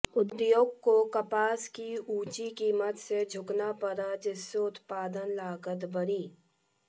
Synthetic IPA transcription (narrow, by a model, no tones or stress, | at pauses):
ʊd̪joːɡ̚kokɐpaːskiuːt͡ʃikiːmət̪sed͡ʒʱʊknapəɾad͡ʒɪsːeʊt̪paːd̪ənlaːɡət̪bʱəɾiː